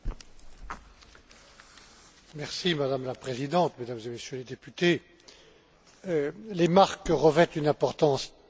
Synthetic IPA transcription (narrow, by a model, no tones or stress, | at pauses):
mɛʁsimad̪amlapχezid̪ɑ̃t̪med̪amzemesjøled̪epyt̪e | lemaʁkʁəvɛt̪ynɛ̃pɔʁt̪ɑ̃s